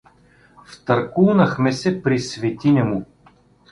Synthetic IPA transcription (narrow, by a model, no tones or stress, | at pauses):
ft̪ɐɾkulˠnɐxmɛsɛpɾisvit̪inʲɐmu